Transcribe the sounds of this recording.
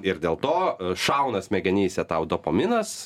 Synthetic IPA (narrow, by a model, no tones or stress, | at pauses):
ɪɾd̪ʲeːlˠt̪oːʃɐʊnɐsmʲɛɡʲɛnʲiːsʲɛt̪ɐʊd̪opoːmʲɪnɐs